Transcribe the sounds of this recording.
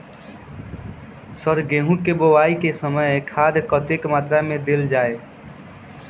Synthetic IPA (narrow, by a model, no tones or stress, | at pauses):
səɾɡeɦũkebowaːikesəməjkʰaːd̪kət̪ekmaːt̪ɾamẽd̪eld͡ʒaːe